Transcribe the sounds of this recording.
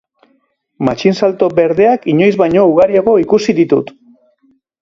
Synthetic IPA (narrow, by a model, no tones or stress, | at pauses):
mat͡ʃinsalt̪o̞be̞ɾðe̞akiɲo̞jzβajɲo̞uɣaɾiaɣo̞ikusiðit̪ṵt̪